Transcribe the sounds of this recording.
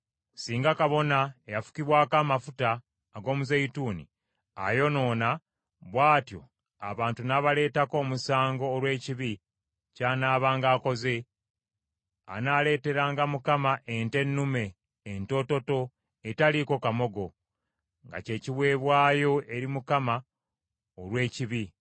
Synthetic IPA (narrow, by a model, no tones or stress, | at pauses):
siːŋɡakaβo̞naejafu̥kiβwaːkaːmafutaː | ɡo̞ːmuzeituːnḭ | a̰jo̞no̞ːna | βwaːtjo̞̰ | a̰βaːntunaβale̞ːtako̞ːmusaːŋɡo̞ːlwe̞ːciβi | caːnaːβaːŋɡaːko̞ze̞ | a̰nale̞ːte̞ɾaːŋɡamukamaʔente̞nːume̞ː | nto̞to̞to̞ | etaliko̞kamo̞ɡo̞ | ŋɡa̰ce̞ːciβwe̞ːβwaːjo̞ʔe̞ɾimukama | oɾwe̞ːciβi